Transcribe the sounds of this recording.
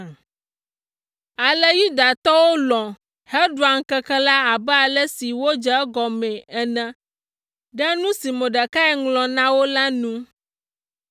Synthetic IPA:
a˨lɛ˦ju˦d̪a˨t̪ɔ˦wo˦lɔ̃˨ | hɛ˦ɖu˨a˨ŋ̩˨kɛ˦kɛ˦la˦a˨bɛ˦a˨lɛ˦si˨wo˦d͡ʒɛ˦ɡɔ˨mɛ̃˨ɛ˨nɛ̃˦ | ɖɛ˦nũ˦si˨mõ˨ɖa˨ka˦ɛ˦ŋlɔ̃˨nã˦wo˦la˦nũ˦

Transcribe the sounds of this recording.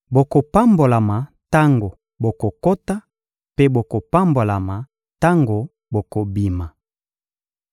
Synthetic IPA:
bo˨ko˨pa˦mbo˨la˨ma˨ | ta˦ŋɡo˨ | bo˨ko˨ko˦ta˦ | pe˦bo˨ko˨pa˦mbo˨la˨ma˨ | ta˦ŋɡo˨ | bo˨ko˨bi˨ma˨

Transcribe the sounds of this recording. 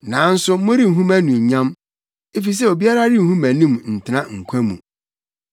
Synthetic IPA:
nã˨˦n̩˦sʊ˦mʊ̃˦ɾi˦˨ɦũ˦mæ˦nũ˨ɲ˨ɲã˦m | e˦fi˨s̬ɛ˦o˨bi˦a˦ɾa˦ɾi˦˨hũ˦mæ̃˨nĩ˦˨mn̩˨tʰɪ˨nã˦ŋ̩˨kʷʰæ̃˦mṵ̃˨

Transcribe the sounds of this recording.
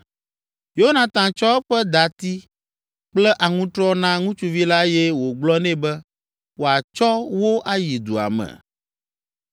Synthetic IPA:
jo˦nã˨t̪ã˨t͡ʃɔ˦ɸɛ˦d̪a˨t̪i˦ | k͡plɛ˦ʔa˨ŋũ˦t̪ɾɔ˦nã˦ŋũ˦t͡ʃu˦vi˦la˦jɛ˦wo˨ɡ͡blɔ˦nɛ̃˦bɛ˦ | wo˨a˨t͡ʃɔ˦wo˦ʔa˦ji˨d̪u˨a̰˨mɛ̰˨

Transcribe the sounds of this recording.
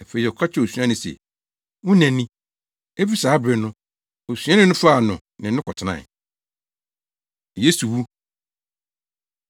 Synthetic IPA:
a˨fe˦˨i˨ɔ˨kʰa˦t͡ɕʰɪ˦o˨su˨˦ã˦nɪ̃˨sḛ˨ | wʊ̃˦nɛ̃˨nĩ˦ | e˦fi˦saː˨˦bɾɪ˨nʊ̃˦ | o˨sɥã˦nɪ̃˦nʊ̃˦fa˦a˨nʊ̃˨ | nɪ̃˨˦ʊ̃˦kʰɔ˨tʰɪ˨nã̰˨ | je˦su˨wu˦

